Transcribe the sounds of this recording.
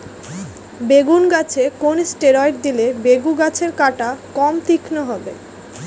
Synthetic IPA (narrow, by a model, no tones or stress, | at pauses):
beɡunɡat͡ɕʰekonsʈeɾɔjʈ̚d̪ilebeɡuɡat͡ɕʰeɾkaʈakɔmt̪ikʰnoɦɔbḛ